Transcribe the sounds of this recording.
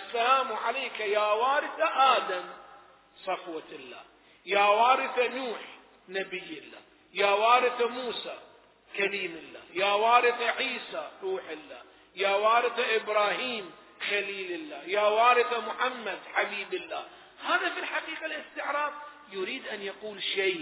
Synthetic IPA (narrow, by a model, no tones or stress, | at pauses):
ʔʔasːalaːmʕaleːkajaːwaːɾɪθaʔaːd̪am | sˤɑfwaɪlːa̰ː | jaːwaːɾɪθanuːħ | nabɪjːɪlːa̰ː | jaːwaːɾɪθamuːsa | kaliːmɪlːa̰ːjaːwaːɾɪθaʕiːsaɾuːħɪlːa̰ː | jaːwaːɾɪθaʔɪbɾaːhiːm | xaliːlɪlːaːjaːwaːɾɪθamʊħamːad̪ħabiːbɪlːaː | haːðafilħaqiːqalɪst̪ɪʕɾˤɑːb̚ | jʊɾiːd̪ʔanjaquːlʃaː